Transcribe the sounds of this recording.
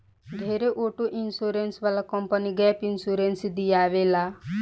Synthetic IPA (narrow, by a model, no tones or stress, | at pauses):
ɖ̪ʱeɾeʔoʈoʔinsuɾensʋalakɔmpəniɡɛpinsuɾensid̪ijaːʋela